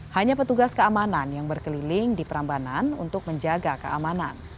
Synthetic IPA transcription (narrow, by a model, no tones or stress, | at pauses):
haɲapət̪uɡaskəamananjaŋbərkəlilɪŋdipəɾambananṵnt̪ʊk̚məɲd͡ʒaɡakəʔamanan